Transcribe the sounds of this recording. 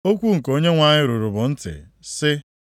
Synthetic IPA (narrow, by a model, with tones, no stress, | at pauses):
o˦kʷu˦ŋ̩˨ko˦ɲe˦ŋʷa˨ɲɪ˦ɾu˨ɾʊ˨bʊ˨n̩˦tɪ̰˨ | sɪ˦